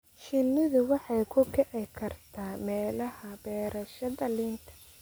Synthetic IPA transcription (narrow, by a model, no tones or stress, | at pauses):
ʃɪnːɪðʊwɑħɑjkʰʊɡʰɛʕɛjkʰɐrt̪ʰaːmɛːlɐhɐbɛːɾɐʃɐdɐliːnt̪ʰɐ̥